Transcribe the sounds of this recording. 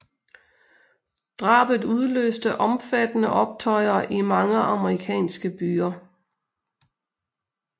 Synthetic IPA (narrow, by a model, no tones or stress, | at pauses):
d̥ʁɑ̰̈ːb̥ð̩ˠuð̞ˠlø̰ːsd̥əʔɒ̽mfæd̥ənəʔɒ̽b̥̚t͡sʰɒ̽ɪɐʔimɑ̈ŋəʔɑ̈məʁikʰɛ̰ːnsɡ̥əb̥yːɐ